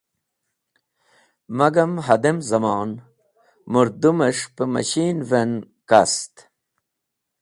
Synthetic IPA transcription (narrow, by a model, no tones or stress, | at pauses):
mɐɡɐmɦɐd̪emzɐmɑːn | muɾd̪umeʂpəmɐ̰ɕiːnven | kast̪